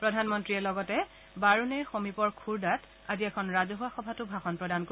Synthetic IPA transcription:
pɹɔdʱanmɔntɹiɛlɔɡɔtɛ | baɹunɛxomipɔɹkʰuɹdat | aziɛkʰɔnɹazɔɦaxɔbʱatʊbʱaxɔnpɹɔdanko

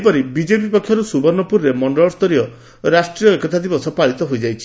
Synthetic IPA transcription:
pɔɾibid͡ʒepipɔkʰːjɔɾusubɔɾnɔpuɾɾemɔɳɖɔɭɔst̪ɔɾiɔ | ɾasʈɾiɔekɔt̪ʰad̪ibɔsɔpaɭit̪ɔɦojd͡ʒajt͡ʃʰi̥

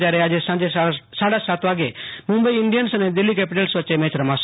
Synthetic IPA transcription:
d͡ʒaːɾeaːd͡ʒesãd͡ʒesaːɽasat̪ʋaːɡemʊ̃mbəiɪɳɖijənsəned̪ɪlːikɛːpɪʈelsʋəːt͡ʃːemẽːt͡ʃɾɐmaːs

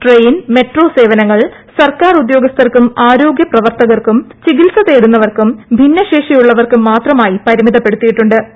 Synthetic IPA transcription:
ʈrejnme̞ʈro̞ːse̞ːʋɐnɐŋːɐɭ | sɐrkaːrud̪jo̞ːɡɐst̪ɐrkumaːɾo̞ːɡjɐprɐʋɐrt̪ɐɣɐrkumt͡ɕiɡilsɐðeːɽunːɐʋɐrkumbʱinːɐɕe̞ːʂɐjuɭːɐʋɐrkumːaːt̪rɐmaːjipɐɾimiðɐpːe̞ɽut̪ːijiʈːuɳɖɨ

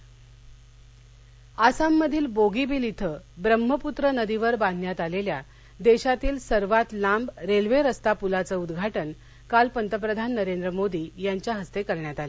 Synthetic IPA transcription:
asamːəd̪ʱiːlboɡibiːlit̪ʰəbɾəm̤ːəput̪ɾənəd̪iʋəɾbãnʱnjat̪alelja | d̪eɕat̪iːlsəɾʋat̪lambɾelʋeɾəst̪apulat͡səud̪ɡʱaʈən | kalpənt̪əp̬ɾəd̪ʱanːəɾend̪ɾəmod̪iːjaɲt͡ɕjaɦəst̪ekəɾɳjat̪ale

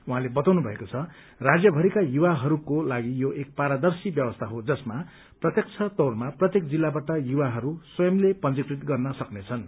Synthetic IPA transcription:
uɦãlebʌt̪awnubʱʌekot͡sʰʌ | rad͡zjʌbʱʌɾikajuwaɦʌɾukolaɡijoʔek̚paɾad̪ʌrsibjʌbʌst̪ʰaɦod͡zʌsma | prʌt̪jʌk̚t͡sʰʌt̪owrmaprʌt̪jekd͡zilːabaʈʌjuwaɦʌɾuswʌjʌmlepʌnd͡zikrit̪ɡʌrnʌsʌknet͡sʰʌn

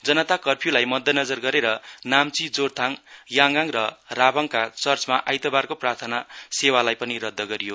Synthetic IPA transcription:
d͡zʌnʌt̪akʌrpʰjulajmʌd̪ʱjʌnʌd͡zʌrɡʌɾeɾʌnamt͡sid͡zort̪ʰaŋjaŋɡaŋrʌrabʌŋkat͡sʌrt͡smaʔajt̪ʌbarkoprart̪ʰʌnasewalajpʌniɾʌd̪ʱːʌɡʌɾijo

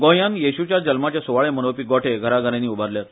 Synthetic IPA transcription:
ɡõjanjeɕut͡ɕjad͡ʑəlmat͡ɕjasuʋaɭemənopiːɡɔʈʰeɡʱəɾaɡʱəɾẽniːubaɾljat̪

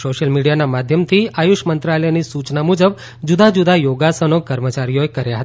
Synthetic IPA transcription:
soʃəlmiɽijanamad̪ʱjəmt̪ʰiajuʃmənt̪ɾaləjnisut͡ʃnamud͡ʒəb | d͡ʒud̪ad͡ʒud̪ajoɡasənokəɾmət͡ʃaɾijoekəɾjaɦət̪a

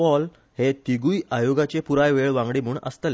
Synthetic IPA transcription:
ɔl | het̪iɡujajoɡat͡ɕepuɾajʋeɭʋãŋɡɽemuːɳə̰st̪əle

